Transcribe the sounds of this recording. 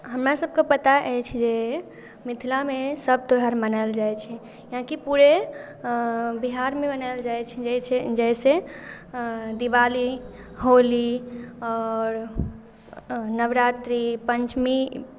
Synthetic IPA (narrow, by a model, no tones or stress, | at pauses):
ɦəmɾasəb̚ʱkepət̪aʔɛjt͡ʃʰd͡ʒe | mit̪ʰilamesəb̚ʱt̪oɦaɾmənaɪld͡ʒajt͡ʃʰɛ | jaãkipuɾe | biɦaɾmebənaɪld͡ʒajt͡ʃʰɛd͡ʒɛt͡ʃʰed͡ʒɛɪse | d̪ibali | ɦoliɔːɾ | nəʋɾat̪ɾipəɲt͡ʃmi